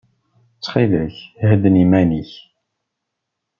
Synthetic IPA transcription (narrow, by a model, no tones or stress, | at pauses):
t͡sːχiðæçhəd̪ənimæniç